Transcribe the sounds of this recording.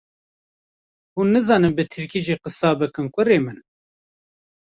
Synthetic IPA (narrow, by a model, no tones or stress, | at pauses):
huːnːɨzɑːnɨmbɨt̪ʰɨɾkiːʒiːqɨsɑːbɨkɨnkʷʊɾeːmɨn